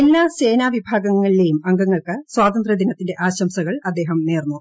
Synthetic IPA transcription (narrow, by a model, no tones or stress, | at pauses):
elːaːse̞ːnaːʋibʱaːɡɐŋːɐɭile̞jumɐŋɡɐŋːɐɭkɨswaːt̪ɐnd̪rɐd̪ʱinɐt̪ːinde̞ʔaːɕɐmsɐɣɐɭɐd̪ːe̞ːɦɐmneːrnːu